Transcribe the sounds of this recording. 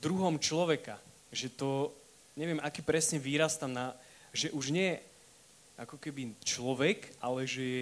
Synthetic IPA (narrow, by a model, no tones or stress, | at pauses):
d̪ɾuɦɔmt͡ʃlɔʋɛka | ʒɛt̪ɔ | ɲɛʋɪɛmakiːpɾɛsɲɛʋiːɾast̪amna | ʒɛʔuʒɲɛjɛ | ʔakɔkɛbit͡ʃlɔʋɛkʔalɛʒɛjɛ